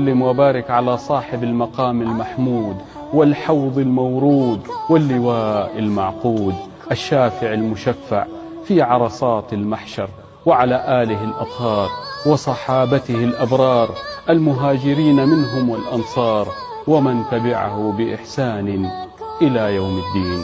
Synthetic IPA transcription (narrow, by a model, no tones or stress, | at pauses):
alːɪmwabaːɾɪkʕalasˤɑːħɪbalmɑqɑːmalmaħmuːd̪ | wɪlħɑwðˤɪlmawɾuːd̪wɪlːɪwaːʔɪlmaʕquːd̪ | ʔaʃːaːfɪʕalmʊʃafːa̰ʕ | fiʕɑɾˤɑsˤɑːt̪ɪlmaħʃɑɾˤ | wɪʕalaːʔaːlɪɦɪlʔɑt̪ˤhɑːɾˤwɪsˤɑħɑːbat̪ɪhɪlʔɑbɾˤɑːɾˤʔalmʊɦaːd͡ʒɪɾiːnamɪnɦʊmwɪlʔɑnsˤɑːɾˤ | wamant̪abɪʕa̰hʊbɪʔɪħsaːnɪʔɪlajawmɪd̪ːiːn